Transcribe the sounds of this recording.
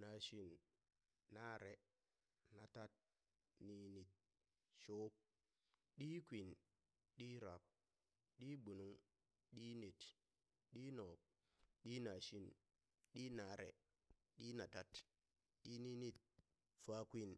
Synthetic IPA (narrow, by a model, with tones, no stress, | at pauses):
na˨ʃi˦n | na˦ɾe˨ | na˨ta˦t̚ | ni˨ni˨t̚ | ʃo˦p̚ | ɗi˦kʷi˨n | ɗi˦ɾa˨p̚ | ɗi˦bu˨nu˦ŋ | ɗi˦ne˨t | ɗi˦nɔ˨k̚ | ɗi˦na˨ʃi˦n | ɗi˦na˨ɾḛ˨ | ɗi˦na˨ta˦t | ɗi˦ni˦ni˦t̚ | fa˦kʷi˦˨n